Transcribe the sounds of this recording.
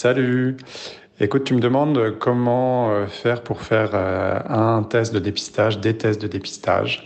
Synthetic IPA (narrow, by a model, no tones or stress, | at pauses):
saly | ekut̪̚ːyməd̪əmɑ̃d̪økɔmɑ̃øfɛʁpuʁfɛʁøɛ̃t̪ɛst̪̚d̪əd̪epi̥st̪aʒd̪et̪ɛst̪̚d̪əd̪epi̥st̪a̰ʒ